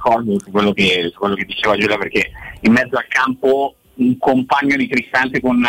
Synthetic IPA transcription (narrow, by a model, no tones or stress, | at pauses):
kɔrd̪osukwelːokesukːwelːoked̪ːit͡ʃeːvad͡ʒulaperk̟eimːɛd̪zːoalkampo | uŋkompaɲːod̪it̪ɾist̪ant̪ekon